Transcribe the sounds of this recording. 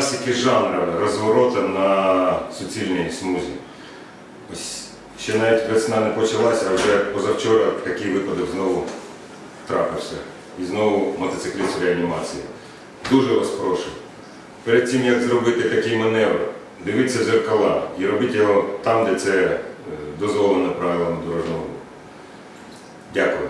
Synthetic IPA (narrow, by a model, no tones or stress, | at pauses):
sʲikʲɪʒɑnɾɐmɪrɔzʋɐɾɔt̪ɐnɐsʊt͡sʲilʲnijsmuzʲḭ | ɔsʲ | ʃt͡ʃːɛnɑʋʲitʲkɾɐsnɑnɛpɔt͡ʃɐlˠɑsʲɐwʒɛpɔzɐwt͡ʃɔɾɐt̪ɐkɪjʋɪpɐd̪ɔkznɔʋʊ | t̪ɾɑpɪwsʲɐ̰ | iznɔʋʊmɐt̪ɐsɪklʲisʲɾʲeɐnʲimɑt͡sʲiji | d̪uʒɛɾɔspɾɔʃɪw | peɾed̪̚ʲtʲimjɐkzɾɔbɪt̪ɪt̪ɐkɛjmɐnɛʋɾɐ̰ | d̪ɪʋɪt̚ʲt͡sʲːɐzerkɐlˠɑiɾɔbɪtʲjɔɦɔt̪ɑmd̪ɛt̪sɛ | d̪ɔzʋɔlˠenɐpɾɑʋʲɪlˠɐmd̪ɔɾɔʒnɔɦɔ | dʲakʊjɪ